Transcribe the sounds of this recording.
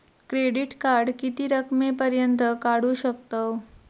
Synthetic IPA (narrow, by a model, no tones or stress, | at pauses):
kɾeɽiʈkaɾɽkit̪iːɾəkmepəɾjənt̪əkaɽuːɕək̚t̪o